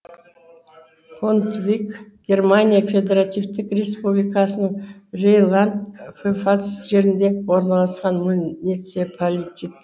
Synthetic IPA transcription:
kʰont̪vʲikɡ̥ʲe̞rmanʲijafʲe̞d̪ʲe̞ɾat̪ivt̪ɪkrʲe̞spublijkɑsənəɴrejlˠand̪fefasusʒe̞ɾɪnd̪e̞wo̞ɾnɑlˠɑsqɑnmʊnʲit̪sepʰolʲit̪ʲit̪

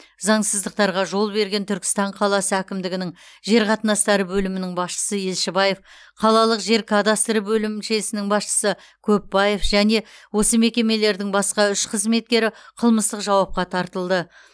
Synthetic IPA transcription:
zɑɴsəzd̪əq̚t̪ɑɾʁɑʒo̞lˠbe̞ɾɡʲe̞nt̪ʰʏɾkʲɪ̥st̪ɑɴqʰɑlˠɑsəækʲɪmd̪ɪɡʲɪnɪŋʒe̞ɾqʰɑt̪ənɑst̪ɑɾəbɵlɪmɪnɪŋbɑsʃə̥səje̞lʃɪbɑje̞f | qʰɑlˠɑlˠəqʒe̞ɾkʰad̪ast̪ɾəbɵlɪmʃe̞sɪnɪŋbɑsʃə̥sə | kʰɵpːɑje̞fʒæne̞wo̞səme̞kʲe̞me̞le̞ɾd̪ɪŋbɑsqɑʏʃqʰəzme̞t̪̚kʲe̞ɾɪqʰəlˠməst̪əqʒɑwɑp̚qɑt̪ʰɑɾt̪əlˠd̪ə

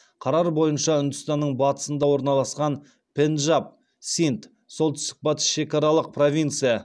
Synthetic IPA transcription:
qʰɑɾɑɾbo̞jənʃɑʊnd̪əst̪ɑnːəɴbɑt̪ə̥sənd̪ɑwo̞ɾnɑlˠɑsqɑn | pʲʰe̞nʒap̚ | sint̪ | so̞lˠt̪ʏ̥st̪ɪk̚bɑt̪ə̥ʃe̞kɑɾɑlˠəq̚pʰro̞vʲint̪sɨjɑ

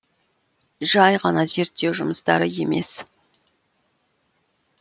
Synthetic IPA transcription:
ʒɑjʁɑnɑze̞ɾt̪ːe̞wʒʊməst̪ɑ̰ɾəje̞me̞̰s

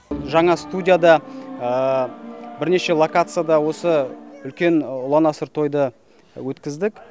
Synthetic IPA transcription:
ʒɑɴɑst̪udʲijad̪ɑə | bɪɾne̞ʃe̞lˠokat̪sɨjad̪ɑwo̞səʏlkʲe̞nʊlˠɑnɑsəɾt̪ʰo̞jd̪ə | wɵt̪kʲɪzd̪ɪk

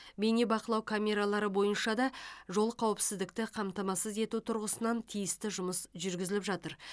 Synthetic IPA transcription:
be̞nebɑqəlˠɑwkʰamʲe̞ɾalˠɑɾəbo̞jənʃɑd̪ɑʒo̞lˠəqʰɑwɪpsɪzd̪ɪk̚t̪ɪqʰɑmt̪ɑmɑsəze̞t̪ut̪ʰʊɾʁəsənɑnt̪ʰijɪst̪ɪʒʊməsʒʏɾɡʲɪzɪlɪpʒɑt̪əɾ

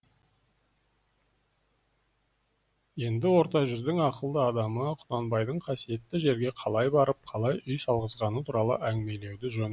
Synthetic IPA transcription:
je̞nd̪ɪwo̞ɾt̪ɑʒʏzd̪ɪŋɑqəlˠd̪əɑd̪ɑməqʰʊ̥d̪ɑnbɑjd̪əɴqʰɑsije̞t̪ːɪʒe̞ɾɡʲe̞qʰɑlˠɑjbɑɾəp̚qʰɑlˠɑjʔʏjsɑlˠʁəzʁɑnət̪ʰuɾɑlˠə̰ʔæŋɪme̞le̞wd̪ɪʒon

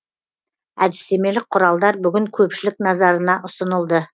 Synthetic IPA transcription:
æ̰d̪ɪst̪e̞me̞lɪk̚qʰʊɾɑlˠd̪ɑɾbʏɡʲɪŋkʲʰɵpʃɪlɪk̚nɑzɑɾənɑʔʊsənəlˠd̪ə

